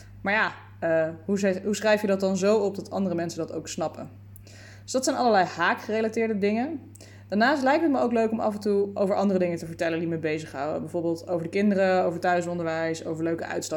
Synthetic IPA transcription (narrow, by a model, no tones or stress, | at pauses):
maːɹjaː | əɦuɦusχrɛjfjədɑt̚ɑnzowɔp̚dɑtʰɑ̰ndərəmɛnsədɑto̰wksnɑpə̰ | døsdɑtsɛjnɑlˠəɹlɛjhaːkχərejlatɪːɹdədɪŋə | d̥aːɹnaːstlɛjk̚tətməowkløɥkɔmɑ̰fəntuʔowvəɹʔɑndərədɪŋətəvəɹtɛləndiməbejzəχɦɑwdə̰bɛjvoːɹbɪːlˠtowvəɹdəkɪndəɾəowvəɹtœɥsɔndəɹʋɛjso̰wvəɹløɥkəœ̰ɥtstɑ